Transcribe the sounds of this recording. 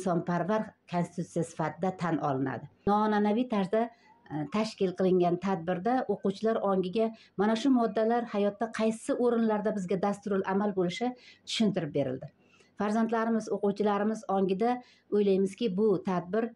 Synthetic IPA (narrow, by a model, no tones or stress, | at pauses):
ɪsɒnpʰaɾvaɾkʰonsɪt̪ut̪sijasɪ̥fat̪ʰɪd̪at̪ʰanɒ̰lˠɪna̰d̪ɪnɒːnanavijt̪ʰaɾʃd̪a | t̪ʰaʃkʲɪlˠqɨlˠɪŋɡʲant̪ʰad̪̚bɪɾd̪aʔoqʊwt͡ʃʰɪlaɾɒŋɡʲɪɡʲa | manaʃʊmɒd̪ːalaɾhajɒt̪ːaqʰɑjsɪʔoɾɪnlaɾd̪abɪzɡʲad̪ast̪ʊɾɪlamalbolɪʃat̪ʰʊ̥ʃɪnt̪ɪɾɪp̚be̞ɾɪ̰ld̪ɪ | faɾzant̪laɾɪmɪzoqʊwt͡ʃʰɪlaɾɪmɪzɒŋɡʲɪd̪a | ojlajmɪzkʲɪbʊt̪ʰad̪̚bɪɾ